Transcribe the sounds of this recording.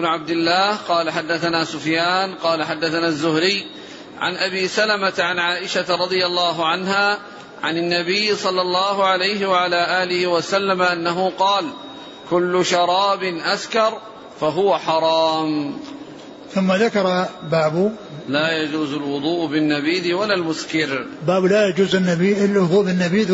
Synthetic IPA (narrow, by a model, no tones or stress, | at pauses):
nʊʕab̚d̪ɪlːaːhqɑːlaħad̪ːaθanaːsʊfjaːnqɑːlaħad̪ːaθanaːzːʊhɾɪjː | ʕa̰nʔabiːsalamat̪ʕanʕaːʔɪʃaɾˤɑd̪ˤɨjalːɑːɦʊʕanɦaː | ʕa̰nɪnːabɪjːsˤɑlːɑlˤːɑːɦʊʕalajɦɪwaʕalaːʔaːlɪhɪwasalːamʔanːaɦʊqɑːl | kʊlːʊʃɑɾˤɑːbɪnʔaskɑɾˤ | faɦʊwaħɑɾˤɑːm | θʊmːaðakɑɾˤɑbaːbʊ | laːjad͡ʒuːzalwʊd̪ˤuːʔbɪnːabiːd̪ɪwalːaːlmʊskɪɾbaːblaːjad͡ʒuːzɪnːabiɪlwʊðˤuːʔbɪnːabiːd̪